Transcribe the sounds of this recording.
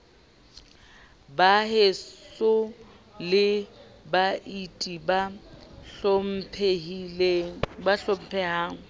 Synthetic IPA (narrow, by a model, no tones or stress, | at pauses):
baɦesʊ | lɪbaʔitʼibaɬm̩pʰelebaɬom̩pʰɛɦaːŋ̩